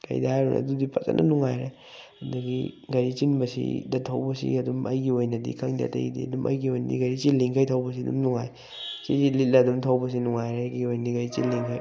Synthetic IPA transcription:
kɐ̰jdaajɾṵnɐ̰dudipɐt͡ʃɐ̰nʔɐnuŋajɾe | ndɐɡiɡɐɾit͡ʃinbɐsḭdɐtʰɐwbɐsḭɐdumɐjɡiojnɐdḭkʰaŋdia̰tɐ̰jdḭɐdumʔɐ̰jɡiojnɐdḭɡɐɾit͡ʃilːiŋkʰajtʰɐwbɐs̬iɐdumnuŋaj | sizilitlɐdumtʰawbɐs̬inuŋajɾeɡiojnɐdiɡɐɾit͡ʃinlːiŋkʰaj

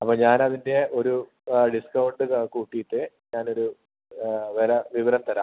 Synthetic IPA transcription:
ɐpːoːɲaːnɐðinde̞o̞ɾu | ɖiskɐwɳɖɨkuːʈːijiʈːɨɲaːno̞ɾu | ʋeɾɐʋiʋɐɾɐmt̪ɐɾa̰ː

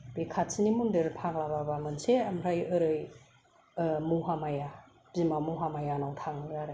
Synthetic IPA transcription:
b̥ekʰatsinimundɯɾpʰaklababamɯnseamɾajɯɾɯj | muɦamaja | b̥imamuɦamajanawtʰaŋɾaɾa

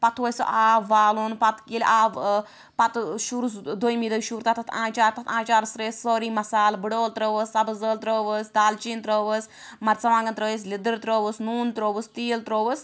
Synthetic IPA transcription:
pɐt̪ʰʋəsɐ̰ʔaːʋːaːluːnpɐt̪kilʲʔaːʋ | pɐt̪ʃuɾusd̪ojmiːd̪əʃuːɾt̪ɐt̪ɐt̪ʰãːt͡ʃaːɾt̪ɐt̪ʰãːt͡ʃaːɾsɾeːsːoːɾiːmɐsaːlbɨɽoːlt̪ɾəːʋəsːɐbɐzəːlt̪ɾəːʋəsd̪aːlt͡ʃiːnt̪ɾəːʋəs | mɐɾt͡sɐʋãːŋɡɐnt̪ɾəːʋes̬lid̪əɾt̪ɾoːʋəsnuːnt̪ɾoːʋəst̪iːlt̪ɾoːʋəs

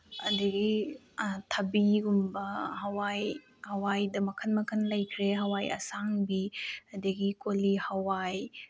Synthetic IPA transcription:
ɐ̰dɐɡi | tʰɐbiɡumbɐɦɐwaj | hɐwajdɐmɐkʰɐnmɐkʰɐnlɐjkʰɾeɦɐwajɐ̰saŋbiɐdɐɡikolihɐwaj

